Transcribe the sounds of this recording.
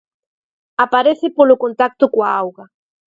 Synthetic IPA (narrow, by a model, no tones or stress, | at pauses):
apaɾeθɪpolʊkont̪ak̚t̪ʊkwaawɣa